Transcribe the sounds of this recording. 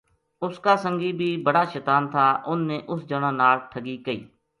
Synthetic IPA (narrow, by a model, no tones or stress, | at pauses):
ʊskaːsəŋɡiːbʱiːbəɽaːʃɛːt̪aːnt̪ʰaːʔʊnːẽːʔʊsd͡ʒəɽãːnaːlʈʰəɡiːkəḭː